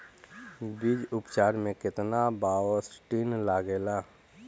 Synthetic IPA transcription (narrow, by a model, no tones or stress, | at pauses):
bid͡ʒʊpt͡ʃaːɾmẽkɪt̪nabaːwəsʈinlaːɡeːlaː